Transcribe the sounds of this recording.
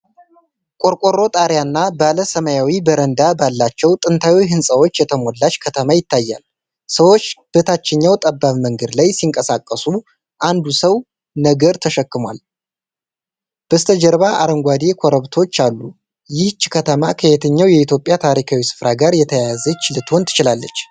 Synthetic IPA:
kʼo̞ɾkʼo̞ɾo̞t̪ʼaɾjanːabaləsəməjawibəɾənd̪abalːat͡ʃːɛwt̪ʼɨnt̪ʰawiɦɨnsʼəwo̞t͡ʃːjɛt̪ʰəmo̞lːat͡ʃːkʰət̪ʰəmajɪt̪ʰːajːa̰l | səwo̞t͡ʃːb̥ət̪ʰat͡ʃːɪɲːawt̪ʼəbːaβməŋɡəd̪lajsiŋkʼəsakʼːəsu | ʔand̪usəw | nəɡəɾt̪ʰəʃəkːɨmwal | b̥əst̪ʰəd͡ʒəɾβaʔaɾəŋɡʷwad̪e̞kʰo̞ɾəβt̪ʰo̞t͡ʃːalːu | jɪht͡ʃːkʰət̪ʰəmakʰəhet̪ʰəɲːawjɛit̪jo̞pʼːjat̪ʰaɾikʰawisɨ̥fɾaɡaɾjɛt̪ʰəjazət͡ʃɪlɨt̪ʰo̞nt̪ʰɨ̥t͡ʃɪlalːət͡ʃː

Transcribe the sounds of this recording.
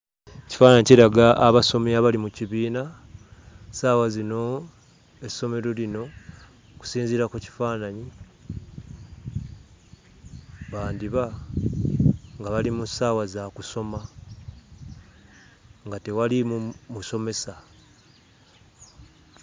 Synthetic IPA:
eci̥faːnaɲiciɾaɡaʔːβaso̞meaβalimuciβiːna | saːwazino̞ | e̞so̞me̞ɾo̞lino̞ | ku̥siːnziɾakuci̥faːnaɲi | βaːndiβa | ŋɡaβalimusaːwazakuso̞ma | ŋɡate̞walimumuso̞me̞sa

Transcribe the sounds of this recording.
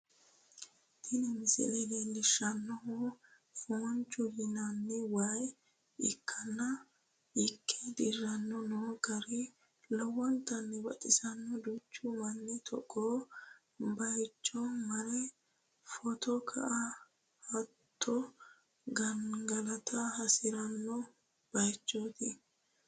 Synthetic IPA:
t̪ɪnɪmɪsɪ̰lɛd̪endɪʃɐnːɔhu | foːnt͡ʃʼːʊjɪnɐnːɛwaj | ɪkʰːɐnːɐ | ɪkʰːɛd̪ɪrːɐnːɔnoːɡɐɾɪ | lɔwɔnt̪ɐnːɛbɐ̰t̪ʼɪsɐnːɔd̪ʊt͡ʃːʊmɐnːɛt̪ʰɔ̰kʼːoː | bɐjt͡ʃːɔmɐɾɛ | fɔt̪ɔkʰɐ̰ʔɐ | hɐt̪ʰːɔ | ɡɐnɡɐlɐt̪ʰɐhɐsɪɾɐnːɔ | b̥ɐjt͡ʃːoːt̪ɪ

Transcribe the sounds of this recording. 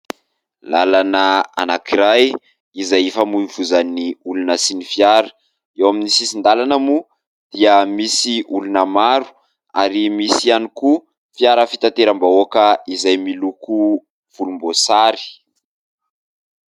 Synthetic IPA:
lalanəa̰nakiɾaj | izajefamuivuzaniulunəsinifiaɾə̥ | ewaminisisind̪alanəmu | d̪̥iəmisiʔulunəmaɾu̥ | aɾimisianiku | fiaɾəfi̥t̪ant̪eɾambaokəizajmiluku | v̥ulumbosaɾi̥

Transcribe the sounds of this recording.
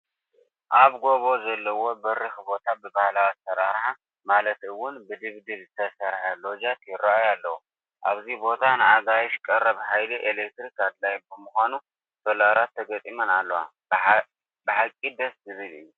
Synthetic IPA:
ʔaβɡo̞βo̞zɐlːɐwo̞bɐɾɨxbo̞t̪ʰabɨbahlawisɐɾa̰ɾħa | malɐt̪ɨwːʊnbɨd̪ɨβd̪ɨβzɨt̪ʰɐsɐɾħalo̞d͡ʒat̪ʰjɪrːaajalːɐwu | ʔa̰βzibo̞t̪ʰanɨaɡajʃkʼɐrːɐβħajliʔelek̚t̪ɾikad̪lajbɨmuxanu | t̪ʰolaɾat̪ʰːɐɡɐt̪ʼimɐnalːɐwa̰ | bɨħakʼːid̪ɐszɨβɨlɨ̰jːu

